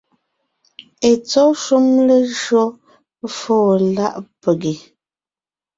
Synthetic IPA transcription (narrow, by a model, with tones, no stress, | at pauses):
e˨t͡sɔ˦ʃu˦mle˦ʒɰɔ˦ | foː˦˨la˦˨ʔpə˨ɡi˨